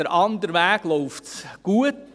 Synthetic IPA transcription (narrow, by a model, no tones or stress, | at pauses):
əɾʔɑnd̪əɾʋæːɡ̥lɔʊftsɡ̥uət